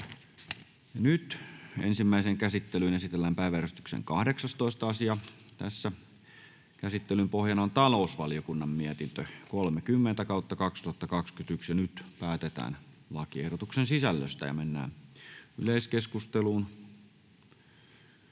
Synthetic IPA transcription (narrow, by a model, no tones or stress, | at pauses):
jɑnyt̪ḛnsimːæiseŋkæsit̪ːelynesit̪elːæmpæiʋæræst̪y̥ksḛŋkɑhdeksɑst̪oˑist̪ɑɑsiɑ | t̪æsːæ | kæsit̪ːelympohjɑnont̪ɑlousʋɑlijokunːɑmmiæt̪int̪økolmekymːent̪ækɑˑut̪ːɑkɑkst̪uhɑt̪ːɑkɑkskyt̪yksjɑnyt̪pæːt̪et̪æ̰ːnlɑkiehɾot̪uksensisælːø̰st̪æ̰jɑ̰menːæ̰ːny̰leiskeskust̪eluːn